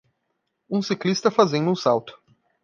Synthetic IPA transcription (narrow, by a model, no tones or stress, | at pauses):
ũsiklist̪ɐfazẽd̪ʊũsawt̪ʊ̥